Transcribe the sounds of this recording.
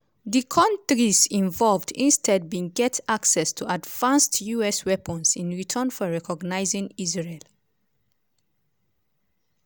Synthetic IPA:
ðikʰɔ̃ntɹisĩɱvɔlvdḭ̃nstʰɛd̚bĩŋɡɛtaksɛstʰuadv̥ãnstʰjuɛswɛpə̃nsĩnɹitʰənfɔɹɛkɔɡnaɪzɪ̃ŋizɹel

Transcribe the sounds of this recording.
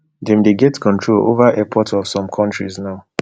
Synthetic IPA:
dɛ̃mdeɡɛtkʰɔ̃ntʰɹolo̰vaʔɛpʰɔtɔv̥sɔ̃mkʰɔ̃ntɹiznaʊ

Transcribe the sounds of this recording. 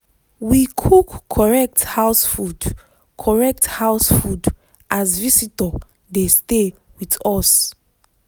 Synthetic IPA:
wikʰukʰːɔɹɛk̚thaʊsfud | kʰɔɹɛk̚thaʊsfud | ʔazvisitɔ | deste | witɔs

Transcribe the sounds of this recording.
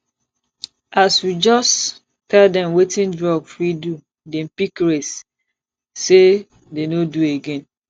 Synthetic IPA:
aswid͡ʒɔs | tʰɛldɛ̃mwetĩndɹɔbfɹidu | dɛ̃m̩pikɹes | se | denodueɡɛ̃n

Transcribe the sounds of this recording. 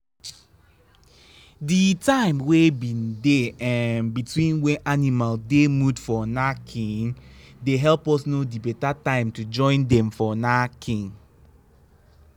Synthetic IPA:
ditãɪ̃mwebĩndeãnbitwĩnwɛ̃ʔanimaldemudfɔnakʰĩŋdeɦɛlpɔsnodibɛtatãɪ̃mtud͡ʒɔ̃ɪ̃ndɛ̃mfɔnakʰĩŋ

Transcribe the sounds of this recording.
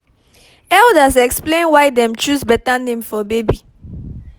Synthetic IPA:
ɛldəsɛksplẽnwajdɛ̃mt͡ʃusbɛtanẽmfɔbebi

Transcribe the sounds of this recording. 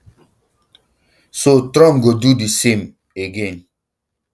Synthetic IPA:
sotɾɔ̃mɡodudisẽm | eɡẽn

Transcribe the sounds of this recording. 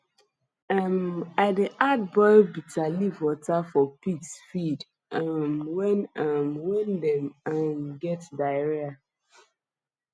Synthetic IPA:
amaɪdeʔad̚bɔɪbitalivwɔtafɔpiksfid | amwɛnamwɛ̃ndɛmamɡɛtdaɪɹɛa

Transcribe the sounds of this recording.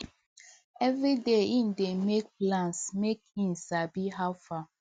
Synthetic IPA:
ɛvɹideĩndemek̚plãnsmekĩnsabiɦawfa

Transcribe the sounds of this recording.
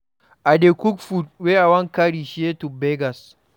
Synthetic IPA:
ʔadekʷukfut̚weʔawɐŋkaɽiːʃetubɛɡɐs

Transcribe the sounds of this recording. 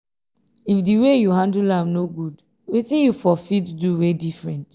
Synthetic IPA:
ifdiwejuɦãndulãmnoɡud | wetĩjufɔfitduwedifɹɛ̃nt

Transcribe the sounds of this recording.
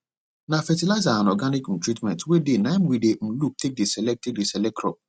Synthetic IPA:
nafɛtilazaãnɔɡanikm̩tɾitmɛ̃ntwedenãɪmwidem̩luk̚tek̚desɛlɛk̚tek̚desɛlɛk̚tɾɔ̰p

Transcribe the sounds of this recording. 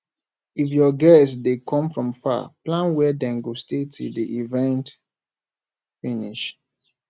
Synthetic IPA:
ifjɔɡɛsdekʰɔ̃mfɹɔ̃mfa̰plãnwɛdɛ̃nɡostetʰṵdiʔivɛ̃nt | finiʃ

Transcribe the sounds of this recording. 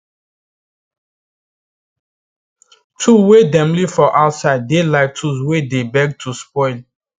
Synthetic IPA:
tʰuwedɛ̃mlifɔʔaʊtsaɪd̚ːelaɪktʰuswedebɛɡ̚tʰuspɔɪl

